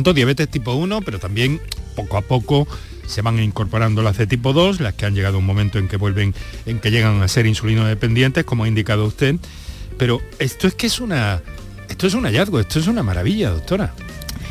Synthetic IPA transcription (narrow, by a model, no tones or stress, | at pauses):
nt̪oðjaβe̞t̪e̞st̪ipo̞uno̞pe̞ɾo̞t̪ambje̞ŋpo̞koapo̞ko̞ | se̞βaŋiŋko̞ɾpo̞ɾand̪o̞lazðe̞t̪ip̬o̞ðo̞slaske̞aɲɟe̞ɣað̞ouŋmomẽnt̪o̞e̞ŋke̞βwe̞lβe̞ŋeŋke̞ʎeɣaŋase̞ɾinsulinozðe̞pe̞nd̪je̞nt̪e̞hko̞moaind̪ikað̞oust̪e̞ð | pe̞ɾo̞e̞st̪oe̞ske̞suna | e̞st̪oe̞suŋaʝaðɣoe̞st̪oe̞s̬unamaɾa̰βiʎaðok̚t̪o̞ɾa